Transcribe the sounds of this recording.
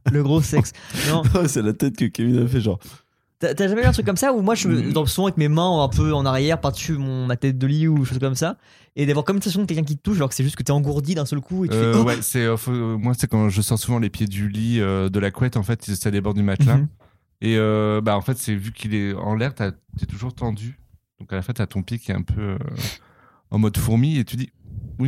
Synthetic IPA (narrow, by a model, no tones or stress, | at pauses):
ləɡʁosɛksnɔ̃wɛsɛlat̪ɛt̪̚kəkaminafɛʒɑ̰̃ʁ | t̪yat̪yaʒamɛyɛ̃t̪χykːɔmsaumwaʒəməd̪ɑ̃suvɑ̃avɛkmemɛ̃ɛ̃pøɑ̃naʁjɛʁpaʁd̪əsymɔ̃mat̪ɛt̪̚d̪əliud̪eʃozkɔmsa | ed̪avwaʁkɔmynsɛsjɔ̃ək̬ʲɛlkʲɛ̃k̬ʲit̪ət̪uʃalɔʁkə̥sɛʒyst̪kət̪ɛɑ̃ɡuʁd̪id̪ɛ̃sœlkueyøfɛwɛsɛøfomwasɛkɑ̃ʒəsɔʁsuvɑ̃lepjed̪yliød̪əlakwɛt̪ɑ̃fɛt̪sad̪ebɔʁd̪ymat̪lã | eøbaɑ̃fɛt̪sɛvykʲʰilɛɑ̰̃lɛʁt̪at̪yɛt̪uʒuʁt̪ɑ̃d̪y | d̪̥ɔ̃kalafɛ̃t̪at̪ɔ̃pjekʲiɛɛ̰̃pʰøø̰ | ɑ̰̃mɔd̪fuʁmiet̪ʰyd̪iwi